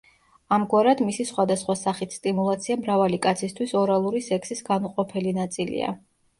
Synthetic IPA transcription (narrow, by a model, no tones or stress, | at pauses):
amɡwaɾad̪misisχwad̪asχwasaχit̪st̪ʼimulˠat̪sʰiamɾavalikʼat̪sʰist̪ʰwisɔɾalˠuɾisɛkʰsisɡanuqʼɔpʰɛlinat̪sʼilḭa̰